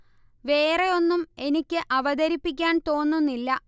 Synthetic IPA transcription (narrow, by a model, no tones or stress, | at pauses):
ʋe̞ːre̞o̞nːume̞nikʲːɨʔɐʋɐd̪ɐɾipːik̬ʲːaːnt̪o̞ːnːunːilːɐ